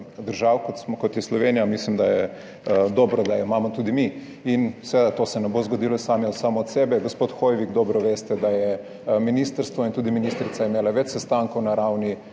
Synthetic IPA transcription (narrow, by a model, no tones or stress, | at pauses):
d̪əɾʒawkot̪sɔkɔt̪jɛslɔʋeːnijamislimd̪ajɛ | d̪ɔːbɾɔd̪ajɛmaːmɔt̪uːd̪imi | insɛʋeːd̪at̪oːsɛnɛbozɡod̪ilɔsaːmjɔsaːmɔːt̪sɛːbɛɡospoːt̪xojʋiɡd̪ɔːbɾɔʋeːst̪ɛd̪ajɛ | minist̪əɾst̪ʋɔint̪uːd̪iminist̪ɾit̪saimeːlaʋɛt͡ʃsɛst̪aŋkɔwnaɾawni